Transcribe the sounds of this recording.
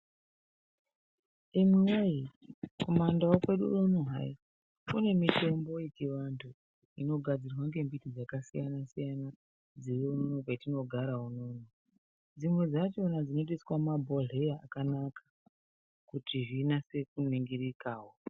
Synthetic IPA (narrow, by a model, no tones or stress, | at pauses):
imiwejiko̞mandawakwe̞ɗṵunuɦa̰i | kune̞mite̞mbo̞jet͡ʃiʋantʰu | ino̞ɡʱad͡zirwaŋɡe̞mbitid͡zakasijanasijana | d͡ziriununoketino̞ɡʱaɾaɦununo | d͡zimwe̞d͡zat͡ʃo̞nad͡zino̞t̬iswamabʱo̞ɮejaakanakʰḁ | kutiʐinase̞kuniŋɡiɾikaːwo